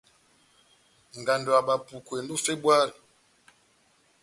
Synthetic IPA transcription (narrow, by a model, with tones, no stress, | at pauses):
ŋ˨ɡa˨ndo˨a˨ɓa˨pu˨kwe˨n˦du˦fe˦bwa˦ɾi˨